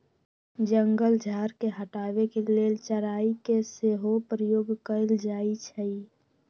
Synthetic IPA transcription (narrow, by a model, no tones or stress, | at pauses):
d͡ʒəŋɡəld͡ʒʱaːɾkeɦəʈaːwekeleːlt͡ʃəɾaːikeseɦopɾəjoːɡkəɪld͡ʒaːit͡ʃʰəi